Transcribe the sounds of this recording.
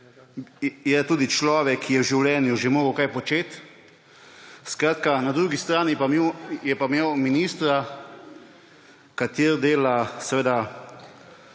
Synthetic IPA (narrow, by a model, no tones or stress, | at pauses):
jɛt̪uːd̪it͡ʃlɔːʋɛkʰːijɛwʒiwlɛːnjuʒɛmoːɡəwkajpɔt͡ʃeːt̪ | skɾaːt̪kanad̪ɾuːɡist̪ɾaːnipaejɛpamewminiːst̪ɾa | kat̪iːɾd̪eːlasɛʋeːd̪a